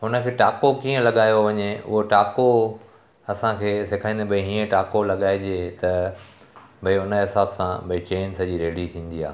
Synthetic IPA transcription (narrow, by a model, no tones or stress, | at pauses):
ʊnə̆kʰeːʈaːkokiːə̃lɐɠaːjoʋɐɲeʊ̰ɦoʈaːko | ɐsãkʰeːsekʰaːĩnd̪ebɐĩɦiːə̃ʈaːkolɐɠaːɪd͡ʑet̪ɐ | bɐiʊnəɦɪsaːbsã̰bɐit͡ɕeːnsɐd͡ʑiɾeːɽit̪ʰĩːn̆d̪ia̰ː